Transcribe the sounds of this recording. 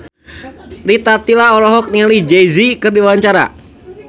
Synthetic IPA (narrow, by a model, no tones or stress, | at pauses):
ɾit̪at̪ilaɔɾɔɦɔk̚niŋalid͡ʒejzikɨrdiwawaɲt͡ʃaɾa̰